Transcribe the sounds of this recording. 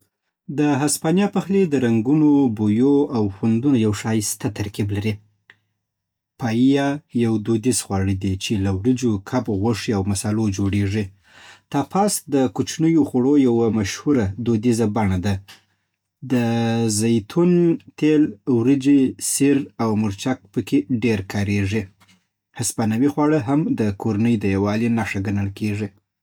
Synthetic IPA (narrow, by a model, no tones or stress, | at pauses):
d̪əɦaspɑnjɑpaxled̪əɾaŋɡunobojoawxwand̪unojawʂɑjst̪at̪aɾkiblaɾi | pɑjijajawd̪od̪izxwɑɽəd̪it͡ʃelawɾəd͡ʒokʰabɣaʂiawmasɑlod͡ʒoɽeʐi | t̪apʰɑsd̪əkut͡ʃnəjoxaɽojawamaʃhuɾad̪od̪izabaɳad̪a | d̪əzajt̪ʰunt̪elwɾəd͡ʒisiɾawmʊɾt͡ʃak̚pəkeɖeɾkʰɑɾeʐi | haspanawixwɑɽəɦamd̪əkoɾanəjd̪əjawɑlinaʂaɡanəlkeʐi